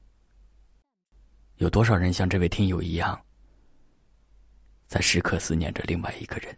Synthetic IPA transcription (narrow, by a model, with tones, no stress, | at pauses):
jo˨ʊt̪wɔ˥ʂɑ˨˩ʊɻə˧˥nɕjɑ˥˧ŋʈ͡ʂɤ˥˧we˥˩ɪt̪ʰi˥ŋjo˨˩ʊi˧˥jɑ˥˩ŋ | t͡sa˥˧ɪʂɻ̩˥˧kʰɤ˥˧sɹ̩˥˧njɛ̰˥˩nʈ͡ʂə̰˧lʔḭ˥˧ŋwa˥˩ɪi˧˥ɡ̥ə˧ɻə˧˥n